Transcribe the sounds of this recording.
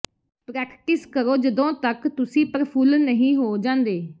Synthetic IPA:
pɾɛːkʈɪskəɾoːd͡ʒəd̪õːt̪əkt̪ʊsĩːpəɾpʰulnəɦĩːɦoːd͡ʒãːnd̪eː

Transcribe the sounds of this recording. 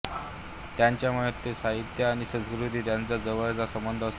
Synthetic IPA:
t̪jaɲt͡ɕjamuɭet̪ːesaɦit̪jəːɽ̃isə̃nskɾut̪iːt̪jant͡sad͡zəʋəɭt͡sasəmbənd̪ʱəs

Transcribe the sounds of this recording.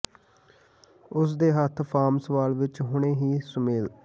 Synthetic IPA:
ʊs̬d̪eːɦət̪ʰpʰaːmsəʋaːlʋɪt͡ʃɦʊɳeːɦiːsəmeːl

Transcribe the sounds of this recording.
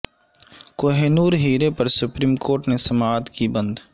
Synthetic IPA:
koɦeːnuːɾɦiːɾepɐɾsʊpɾiːmkoːɾʈnesɐmaːd̪kibɐ̃nd̪

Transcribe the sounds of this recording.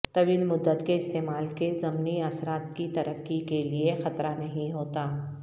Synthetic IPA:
t̪ɐʋiːlmʊd̪ːət̪keɪst̪eːmaːlkezɐmniɐsɾaːt̪kit̪ɐɾʔəkːikeliexɐt̪ɾanɐɦĩɦoːt̪aː

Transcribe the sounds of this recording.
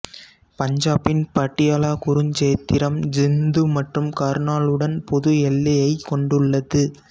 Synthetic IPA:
pɐɲd͡ʒaːpɪnpɐʈːɪjaːlaːkʊɾɯɲd͡ʒeːt̪ːɪɾɐmd͡ʒɪnd̪ɯmɐʈrɯmkaːɾnaːɭɯɽɐnpɔðɯɛlːɐjɐɪkːɔɳɖɯɭːɐðɯ

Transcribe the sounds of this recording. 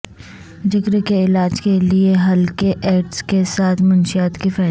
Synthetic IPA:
d͡ʒɪkɾekeɪlaːd͡ʒkelieɦɐlkeʔeːʈskesaːt̪ʰmɐnʃijaːt̪kifɛː

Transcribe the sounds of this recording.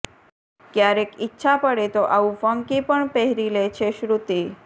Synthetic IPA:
kjaɾekitːɕʰapəɽet̪oʔaufəŋkipəɳpeɦɾilet͡ɕʰeɕɾut̪i

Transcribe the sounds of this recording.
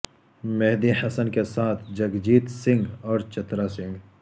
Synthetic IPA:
mɛɦd̪ihɐsənkesaːt̪ʰd͡ʒɐɡd͡ʒiːt̪sɪ̃ŋɡɔːɾt͡ʃɐt̪ɾasɪ̃ŋɡ

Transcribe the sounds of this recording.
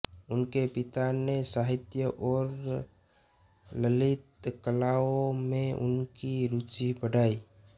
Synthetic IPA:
ʊnkepɪt̪anesaːɦɪt̪jəʔɔːɾ | ləlɪt̪kəlaːõmẽʔʊ̰nkiɾuːt͡ʃipəɽaːiː

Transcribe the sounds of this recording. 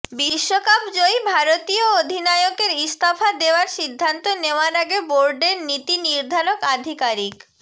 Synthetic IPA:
biʃːokapd͡ʑojbʱaɾot̪iood̪ʱinajokeɾist̪ʰafad̪eoaɾʃid̪ʱːant̪oneoaɾaɡeboɾɖeɾnit̪iniɾd̪ʱaɾokad̪ʱikaɾik

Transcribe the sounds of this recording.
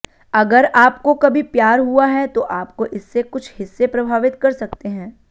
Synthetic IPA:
ɐɡəɾaːpkokɐbʱipjaːɾɦuaɦɛt̪oʔaːp̚koʔɪsːekʊt͡ʃʰhɪsːepɾɐbʱaːʋɪt̪kɐɾsɐkt̪eɦɛ̃ː

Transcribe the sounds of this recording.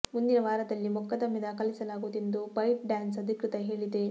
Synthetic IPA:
mund̪inɐʋaːɾɐd̪ɐlːimukːɐd̪ɐmid̪ɐkɐlisɐlaːɡud̪end̪ubɐjʈ̚ɖaːnsɐd̪ʱikɾɨt̪ɐɦeːɭid̪e

